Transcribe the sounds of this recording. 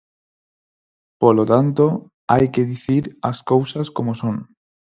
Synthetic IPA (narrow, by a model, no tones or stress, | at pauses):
polot̪ant̪o | ajkeðiθiɾa̰skowsaskomosõŋ